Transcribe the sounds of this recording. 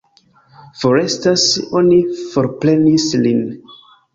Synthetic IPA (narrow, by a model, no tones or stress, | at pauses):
fo̞ɾe̞staso̞nifo̞ɾple̞nislin